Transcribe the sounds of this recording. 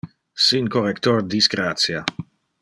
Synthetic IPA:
siŋkorekt̪ord̪isɡɾat̪sja

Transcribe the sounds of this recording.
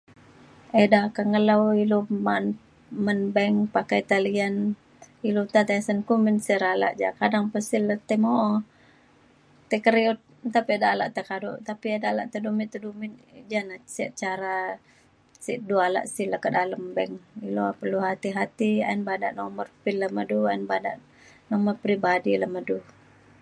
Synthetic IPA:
edakaŋəlawiloman | mənbɛŋpakajt̪alian | ilut̪at̪asənkuminsiɾala̰ʔd͡ʒa̰kadaŋpəsilət̪əmoʔɔ | t̪əkəɾiut̪̚t̪apiadala̰ʔt̪əkadṵʔt̪apiadala̰ʔt̪ədumit̪ədumind͡ʒanasiʔt͡ʃaɾa | siʔduala̰ʔsihləkədaləmbɛŋilopərluɦat̪iɦat̪ia̰inbada̰ʔnɔmərpilːəməduainbada̰ʔ | nɔmərpɾibadiləmədu

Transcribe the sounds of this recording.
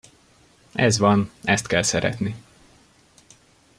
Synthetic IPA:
ɛzvɒnɛst̪kɛlsɛɾɛ̰t̪ni

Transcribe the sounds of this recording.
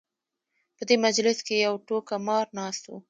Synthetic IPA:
pəd̪emad͡ʒlɪskejawʈokamɑɾnɑst̪wu

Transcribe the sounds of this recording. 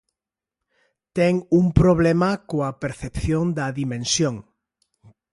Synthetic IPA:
t̪ɛŋuŋpɾoβ̞lemakoapeɾθepθjond̪ɐðimẽnsjoŋ

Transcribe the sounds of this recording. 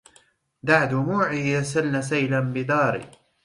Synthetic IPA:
d̪aʕd̪ʊmuːʕiːjasalnasajlanbɪd̪ɑːɾḭː

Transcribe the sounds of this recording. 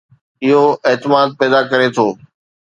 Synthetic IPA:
ɪɦoeɦt̪ɪmaːd̪̚pɛːd̪akɐɾet̪ʰoː

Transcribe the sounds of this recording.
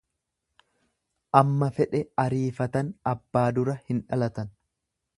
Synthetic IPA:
ʔɐmːɐfɛᶑɛɐɾiːfɐt̪ɐnɐbːaːd̪ʊɾɐhɪnᶑɐlɐt̪ɐn

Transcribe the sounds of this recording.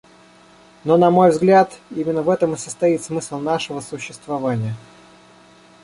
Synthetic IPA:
nonɐmo̞jvzɡlʲat̪imʲɪnːəvɛt̪əmɨsəst̪ɐit̪smɨslˠnaʂɨvəsʊɕːɪst̪vɐvanʲɪjə

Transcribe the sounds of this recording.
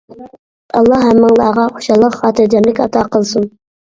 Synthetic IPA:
ɑlˠːɑæmːɑŋlˠɑːʁɑχʊ̥ʃɑlˠəqχɑːt̪ɪɾd͡ʒ̪ɑmlɪkʲɑt̪ʰɑqəlˠsun

